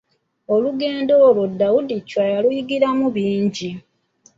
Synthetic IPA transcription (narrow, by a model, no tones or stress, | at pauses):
o̞luɡe̞ːndo̞ːlodːawudicːwajalujiɡiɾamuβiːɲɟi